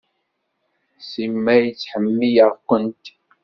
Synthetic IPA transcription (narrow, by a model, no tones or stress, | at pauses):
simejt͡sħəmːijaʁkʷʊnt